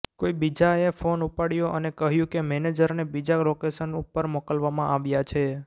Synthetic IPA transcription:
koibid͡ʒaefonupaɽjoʔənekəɦjũkemɛned͡ʒəɾnebid͡ʒalokesənupːəɾmɔkəlʋamãʔaʋjat͡ʃʰe

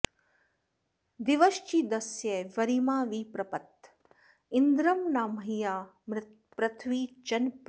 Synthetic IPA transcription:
d̪iʋɐʃt͡ʃid̪ɐsjeʋɐɾimaːʋiːpɾɐpɐt̪ | ind̪ɾɐmnaːmɐɦijaː | m | pɾɐt̪ʰʋiːt͡ʃɐnp

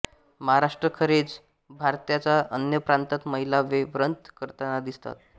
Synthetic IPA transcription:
məɦaɾaʂʈɾəkʰəɾed͡z | bʱaɾt̪jat͡saʔənjəpɾant̪ət̪məɦilaʋeʋɾənt̪kəɾt̪anad̪ist̪a̰t̪

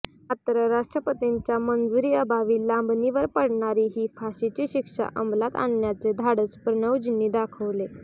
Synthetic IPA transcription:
ət̪əɾəɾaʂʈɾəpət̪iɲt͡ɕjamənd͡zuɾiːəbʱaʋiːlambniʋəɾpəɽɳaɾiːɦiːfʰaɕit͡ɕiɕikʂa̰ʔəmblat̪a̰njat͡sed̪ʱaɽəspɾəɳəwd͡ʑinːiːd̪akʰəʋle

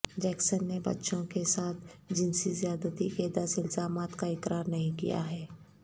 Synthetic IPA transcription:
d͡ʒɛːksənːebɐ̰tːʃõkesaːt̪ʰd͡ʒɪnsizijaːd̪at̪iked̪asɪlzaːmaːt̪kaɪkɾaːɾnɐɦĩkḭja̰ɦɛː

